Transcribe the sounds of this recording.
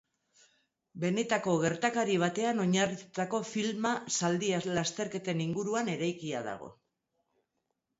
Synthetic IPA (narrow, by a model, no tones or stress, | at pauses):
be̞ne̞t̪ako̞ɣe̞ɾt̪akaɾiβ̞at̪e̞ano̞ɲarit̪u̥t̪ako̞filmasald̪ialast̪e̞ɾke̞t̪e̞niŋɡuɾuane̞ɾajkiaða̰ɣ̞o̞̰